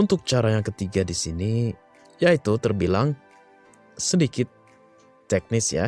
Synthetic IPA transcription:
unt̪ʊk̚t͡ʃaɾajaŋkət̪iɡadisini | jait̪ut̪ərbilaŋ | sədikɪt̪ː | ɛk̚nɪsja̰

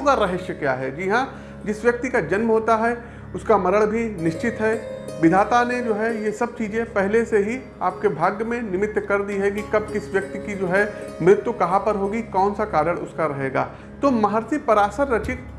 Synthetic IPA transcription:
ɡaɾɐɦeʃjəkja̰ːɦɛd͡ʒiːɦã | d͡ʒɪsʋjɐk̚t̪ikad͡ʒɐnmɦoːt̪aɦɛ | ʊskamɐɾəɭbʱinɪʃt͡ʃɪt̪ɦɛːʋɪd̪ʱaːt̪aned͡ʒoːɦɛjesɐb̚t͡ʃiːd͡ʒẽpɛɦleseɦi | aːp̚kebʱaːɡjəmẽnɪmɪt̪ːkɐɾd̪iɦɛk̬ikɐb̚kɪsʋjɐk̚t̪ikid͡ʒoːɦɛmɾɪt̪wukɐɦãpɐɾɦoːɡikɔːnsakaːd̪əɽʊskaɾɐɦeːɡa̰ː | t̪oːmɐɦəɾsipɐɾaːsəɾːɐt͡ʃɪk̪

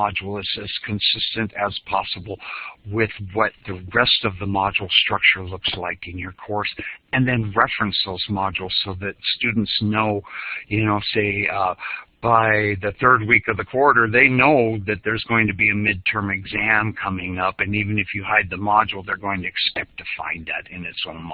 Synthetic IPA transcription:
ɑd͡ʒl̩ˠɨzɨz̥kʰɨ̃nsɪstɨ̃ntɨz̥pʰɑsəbl̩ˠwɪðwʌt̪̚ðɨɹɛstʌvðəmɑd͡ʒl̩ˠstɹ̥ʌk̚t͡ʃə˞lʊkslaɪkɨ̃njə˞kʰɔɹsɨ̃nðɨ̃nɹɛfɹɨ̃nsðoʊzmɑd͡ʒl̩ˠz̥soʊðɨtstʉdⁿn̩tsnoʊjɨnoʊseɪ | b̥aɪðɨθɜ˞d̚wikʌvðɨkʰw̥ɔɹɾə˞ðeɪnoʊðɨt̪̚ðə˞zɡoʊɪ̃ŋtʰɨbiɨmɪd̚tʰɜ̃˞mɨɡzæ̃mkʰʌmɪ̃ŋʌpɨ̃nivɨ̃nɨfjɨhaɪd̪̚ðɨmɑd͡ʒl̩ˠðə˞ɡoʊɪ̃ŋtʰɨɨskɛp̚tʰɨfã̰ɪ̃nðæ̰ɾɨ̃nɨtsõʊ̃nm

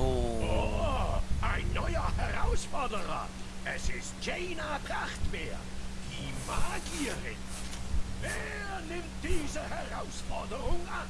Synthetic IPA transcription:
ɔ | ajnɔjahɛɾawsfɔdəɾa̰ɛsɪsd͡ʒejnapʰraχtbeːimaɡiɾɪn | vɛ | nɪmdiːzəhɛɾawsfɔdəɾʊŋa

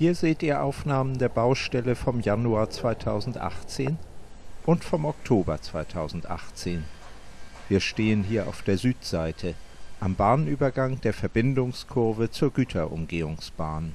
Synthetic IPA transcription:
hiːɐzeːtʔiːɐʔa̰ʊfnaːməndeːɐbaʊʃtɛləfɔmjanuaːɐt͡sv̥aɪtʰaʊzn̩tʔa̰χt͡seːn | ʔʊntfɔmɔktʰoːbɐt͡sv̥aɪtʰaʊzn̩tʔa̰χt͡seːn | viːɐʃteːənɦiːɐʔa̰ʊfd̥eːɐzyːtz̥aɪtʰə | ʔambaːnnʔyːbɐɡaŋd̥eːɐfɛɐbɪndʊŋskʰʊɐvət͡suːɐɡyːtʰɐʔʊ̰mɡeːʊŋsb̥aːn

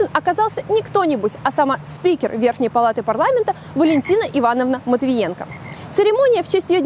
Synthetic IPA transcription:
ɪnɐkazɑlˠsʲənʲɪkt̪o̞nʲɪbʊtʲɐsamasʲpʲikʲɪrvʲerxnʲɪjpɐlˠat̪ɨpɐrlˠamʲɪnt̪ə | vəlʲɪnʲtʲinəʔɪvanəvnəmət̪vʲɪjenkə̰sɨɾʲɪmo̞nʲɪjəft͡ɕesʲtʲjɪjo

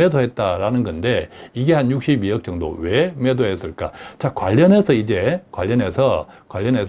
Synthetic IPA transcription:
edoɦe̞t̚t͈aɾanɯnɡʌnde̞iɡe̞hanjuk̚ɕ͈ibiʌk̚t͡ɕ͈ʌŋdo̰we̞medoɦes͈ɯɭk͈a̰t͡ɕakwa̰ʎːʌne̞sʰʌid͡ʑe̞kwaʎːʌne̞sʰʌkwaʎːʌnes

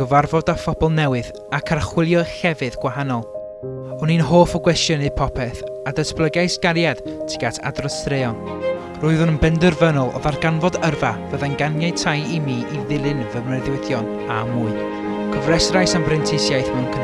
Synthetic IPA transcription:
ɡ̥əvarvɔdafɔbɔlˠnɛwɨð | akʰarχwɪlˠjɔxɛvɨðɡwaɦanɔlˠ | ɔninɦoːfɔɡwɛstjənɨðpʰɔpʰɛθadəsblˠəɡajsɡ̥aɾjad̥tʰɪ̥ɡatʰa̰drɔstɾeɔn | rʊːɨðʊnənbɛndɨrvənɔlˠɔ̰ðarɡanvɔdərvavəðanɡanjaɨtʰajimiːʔiðɪlˠɨnvəmnɛðʊɨθjɔn | amuɨ | kʰəvrɛsrajsanbrɪntʰɪsjajθmɛnkʰən

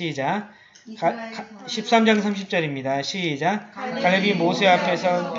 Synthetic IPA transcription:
id͡ʑa | kkɕʰip̚s͈amd͡ʑaŋsʰamɕ̬ʰip̚t͡ɕ͈ʌɾimɲidaɕʰid͡ʑakaɭːebimosʰeapʰe̞sʰʌ

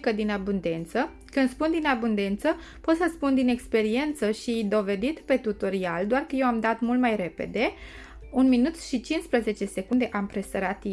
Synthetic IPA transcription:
kəd̪inabund̪e̞nt̪sə | kɨnd̪spund̪inabund̪e̞nt̪sə | po̞t̪səspund̪ine̞kspe̞ɾie̞nt̪səʃid̪o̞ve̞d̪it̪pe̞t̪ut̪oɾiald̪oarkəjewamd̪at̪mult̪majɾe̞pe̞̰d̪e̞ | unminut̪ʃit͡ʃinspɾəze̞t͡ʃe̞se̞kund̪e̞ʔampɾest̪əɾat̪i

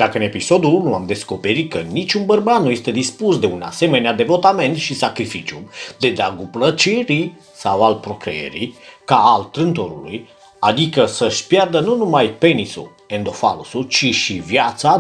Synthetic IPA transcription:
d̪̥akəɨne̞piso̞d̪unuamd̪e̞sko̞pe̞ɾit̪̚kənit͡ʃʲunbərbat̪nuje̞st̪e̞d̪ispusd̪e̞una̰se̞me̞nead̪e̞vo̞t̪ame̞nt̪ʃisakɾifit͡ʃiud̪e̞d̪aɡuplət͡ʃiɾi | sawalpɾo̞kɾḛḛɾḭkaːlt̪ɾɨnt̪oɾṵlṵj | ad̪ikəsəʃʲpjard̪ənunumajpe̞nisṵ | end̪o̞falusut͡ʃiʃivjat̪sa

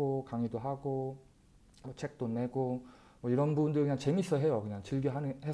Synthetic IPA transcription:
okaŋidoɦaɡo | mʌt͡ɕʰe̞k̚t͈one̞ɡo | mwʌiɾʌnbubundɯɾkɯɲaŋt͡ɕe̞miɕʰisʰʌɦe̞jokɯɲaŋt͡ɕiɭɡiɦanɯhe

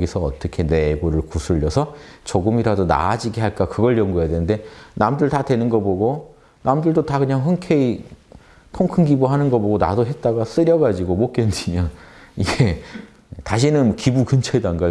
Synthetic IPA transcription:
ɡisʰʌːt͈ʌkʰe̞ne̞ɡoɾɯɭkusʰɯʎːʌsʰʌt͡ɕoɡɯmiɾadona̰d͡ʑiɡeɦaɭk͈akɯɡʌɭjʌŋɡujadwe̞nɯnde̞namdɯɭtadwe̞nɯnɡʌboɡo | namdɯɭdotakɯɲaŋɸɯnkʰei | kʰoŋkʰɯnɡiboɦanɯnɡʌboɡona̰doɦe̞t̚t͈aɡas͈ɯɾjʌɡad͡ʑiɡomok͈endimjʌniɡe̞ | taɕʰinɯnkibukɯnt͡ɕʰʌdanɡa

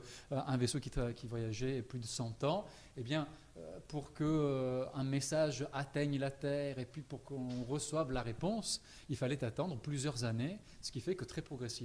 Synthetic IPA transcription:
ʔɛ̃vesokʲit̪kʲivwajaʒɛplyd̪əsɑ̃t̪ɑ̃ | ebjɛ̃ | øpuʁkəøɛ̃mesaʒat̪ɛɲlat̪ɛʁepɥipuʁkɔ̃ʁəswavlaʁepɔ̃s | ilfalɛt̪at̪ɑ̃d̪ʁəplyzjœʁzane | sə̥kʲifɛkət̪χɛpχɔɡʁesi

